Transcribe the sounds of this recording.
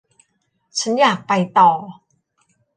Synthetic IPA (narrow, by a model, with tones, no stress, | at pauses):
t͡ɕʰa˦˥njaː˨˩k̚pa˧jt̪ɔː˨˩